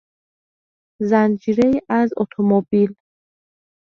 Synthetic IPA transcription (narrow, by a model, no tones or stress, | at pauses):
zænd͡ʒiːɾeiʔæzɔ̰t̪ʰomobil